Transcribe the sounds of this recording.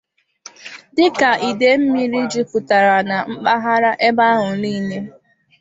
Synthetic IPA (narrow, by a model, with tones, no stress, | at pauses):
dɪ˦ka˨ʔi˨de˨m̩˦mi˦ɾi˦d͡ʒi˦pʊ˨ta˨ɾa˨na˨m̩˦k͡pa˦ɦa˦ɾa˦ʔe˦ba˦ɦʊ˨liː˦ɲe˦